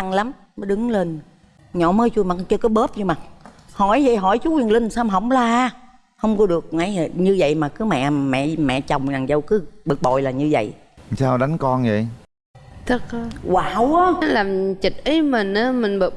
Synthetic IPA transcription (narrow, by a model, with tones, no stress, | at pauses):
a˧ŋla˨˦m | mə˨˦ɗɨ˨˦ŋle˧n | ɲɔ̰˧˨məː˨˦jt͡ɕu˧jma˨˩t͡ɕə˧˩kɔ˨˦ɓə˦˥p̚ɲɨ˧ma˨˩t̚ | hɔ˧˩jvə̰˧˨jɦɔ˧˩jt͡ɕu˨˦wi˨˩əŋlï˧ŋsaː˧mɦə˧˩wŋ͡mlaː˧˩˧ | hə˧wŋ͡mkɔ˨˦ɗɨ˨˩ək̚na˧˨˦jɲɨ˧və̰˧˨jmaː˨˩kɨ˨˦mɛ̰˧˨mɛ̰˧˨mɛ̰˧˨t͡ɕə˨˩wŋ͡mza˨˩ŋzə˧wkɨ˨˦ɓɨ˨˩k̚ɓo̰˧˨jlaː˨˩ɲɨ˧və̰˧˨j | saː˧wɗa˨˦ŋkɔ˧nvə̰˧˨j | t̪ʰɨ˨˦k̚ːwaː˧˨˩wʔaː˨˦laː˨˩mt͡ɕi˨˩t̚ʔi˨˦mi˨˩ŋ̟ʔaː˨˦mi˨˩ŋɓə˧˨˩